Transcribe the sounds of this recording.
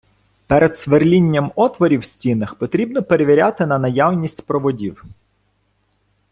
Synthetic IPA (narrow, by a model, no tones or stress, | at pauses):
pɛɾed̪sʋerlʲinʲːɐmɔt̪ʋɔɾʲiwsʲtʲinɐxpɔt̪ɾʲibnɔpeɾeʋʲiɾʲat̪ɪnɐnɐjawnʲisʲtʲpɾɔʋɔdʲiw